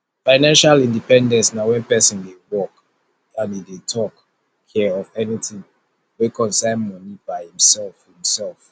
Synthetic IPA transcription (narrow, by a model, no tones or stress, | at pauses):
faɪnãnʃalĩndipɛ̃ndɛ̃nsnawɛ̃npɛsɔ̃ndewɔk | ãnidetʰɔk | kʰɛɔvɛnitĩŋ | wekʰɔ̃nsãɪ̃nmɔnibaɪhĩmsɛlfhĩmsɛlf